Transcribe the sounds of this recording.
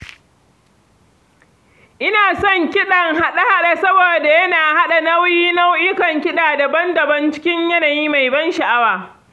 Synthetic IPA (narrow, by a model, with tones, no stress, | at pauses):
ʔɪ˦naː˨sɔ˦˨ŋkʲɪ˦ɗɐ˨ŋɦa˦ɗa˦ha˦ɗa˨sɐ˦boː˨da˨jɐ˦naː˨ha˦ɗa˨nɐ˦wjiː˦na˦wʔɪ˦kɐ˨ŋkʲɪ˦ɗaː˨da˨bɐ˦ndɐ˨bɐ˦nt͡ʃɪ̥˦kʲɪ˦ɲjɐ˦naː˨jiː˦ma˨jbɐ˦nʃa˨ʔa˦waː˨